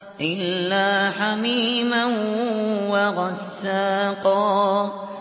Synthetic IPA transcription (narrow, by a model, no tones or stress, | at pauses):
ʔɪlːaːħamiːmanwaɣɑsːaːqɑ